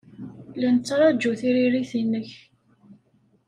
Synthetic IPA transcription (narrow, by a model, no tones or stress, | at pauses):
lænət͡sːɾˤɑd͡ʒuθiɾiɾiθinːəç